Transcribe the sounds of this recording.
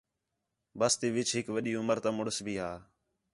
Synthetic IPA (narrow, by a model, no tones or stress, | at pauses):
bəst̪iːʋɪt͡ʃʰɦɪkʋəɗiːʊməɾt̪ãːmʊɽəsbʱiːɦaː